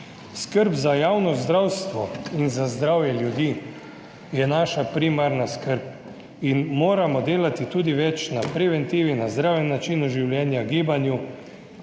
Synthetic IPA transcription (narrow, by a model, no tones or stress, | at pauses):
skəɾbzajaːwnɔzd̪ɾawst̪ʋɔinzazd̪ɾawjɛljud̪iː | jɛnaːʃapɾimaɾnaskəɾp̚ | inmoːɾamɔd̪eːlat̪it̪uːd̪iʋɛt͡ʃnapɾɛʋɛnt̪iːʋinazd̪ɾaːwjɛnːat͡ʃiːnuʒiwljɛːnjaɡiːbanju